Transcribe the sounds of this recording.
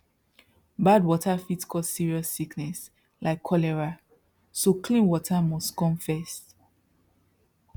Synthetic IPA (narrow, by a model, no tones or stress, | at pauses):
badwɔtafitkʰɔzsiɹiɔsːiknɛs | laɪkʰːɔlɛɹa | sokʰlĩnwɔtʰamɔstkɔ̃mfɛst